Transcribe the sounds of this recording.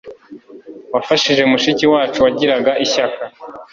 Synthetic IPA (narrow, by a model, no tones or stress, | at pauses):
wafaʃiʒe̞umuʃiciwaːt͡ʃuwaɟiɾaɡaʔiçaka